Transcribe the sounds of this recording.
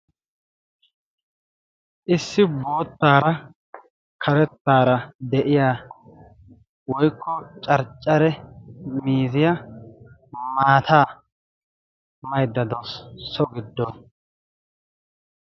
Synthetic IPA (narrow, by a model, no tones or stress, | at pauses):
ʔɪsːɪbo̞ːt̪ːaːɾɐ | kʰɐɾɛt̪ːaːɾɐd̪ɛʔɪjaː | wɔjkʰːɔt͡ʃʼɐɾt͡ʃʼːɐɾɛmiːzɪja | maːt̪ʰaː | mɐjd̪ːɐd̪ɔssɔɡɪd̪ːɔ